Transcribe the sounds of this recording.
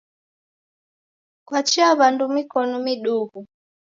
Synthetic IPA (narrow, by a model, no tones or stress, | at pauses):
kwat͡ʃiaβandumikɔnɔmiɗuɣu